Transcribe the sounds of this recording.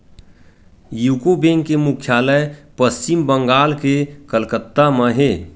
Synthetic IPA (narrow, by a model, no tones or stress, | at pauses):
juːkobẽŋkkːemukʰjaːləjpəst͡ʃɪmbəŋɡaːlkekəlkət̪ːaməɦe